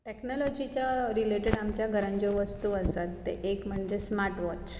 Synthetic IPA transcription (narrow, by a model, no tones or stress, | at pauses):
ʈeknɔlɔd͡ʑit͡ɕjaɾileʈeɽamt͡ɕjaɡʱəɾãɲt͡ɕɔʋəst̪uəsat̪ːḛʔekm̤əɳd͡ʑesmaɾʈʋɔt͡ɕ